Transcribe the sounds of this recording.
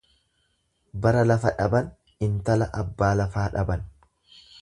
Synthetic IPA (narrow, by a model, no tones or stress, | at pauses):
bɐɾɐlɐfɐᶑɐbɐn | ɪnt̪ɐlɐʔɐbːaːlɐfaːᶑɐbɐn